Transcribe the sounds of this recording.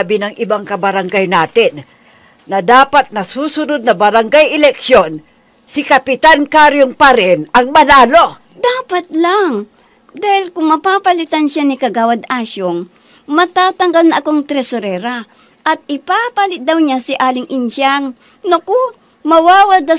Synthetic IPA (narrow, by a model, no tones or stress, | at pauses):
bɪnɐŋʔɪbaŋkɐbɐɾɐŋɡajnaːt̪ɪnː | ɐd̪aːpat̪̚nɐsuːsʊnod̪̚nɐbɐɾaŋɡajʔɛlɛkʃon | sɪkɐpɪt̪ankaɾjoŋpɐɾɪnʔɐŋmɐlaːlo | d̪aːpɐt̪̚laŋ | d̪aːhɪlkʊŋmɐpaːpɐlɪt̪ɐnʃanɪkɐɡaːwɐd̪aːʃoŋ | mɐt̪aːt̪ɐŋɡalnɐʔɐkoŋt̪ɾɛsoɾɛːɾa | ʔɐt̪̚ɪpaːpɐlɪt̪̚d̪ɐwɲasɪʔaːlɪŋʔɪnʃaŋ | nɐko | mɐwaːwɐd̪a